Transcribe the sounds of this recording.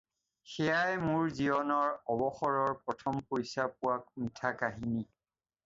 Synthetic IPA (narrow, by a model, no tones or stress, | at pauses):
xɛjajmʊɹziɔnɔɹɔbɔxɔɹɔɹpɹɔtʰɔmpojsap̚ʊwak̚mitʰakaɦini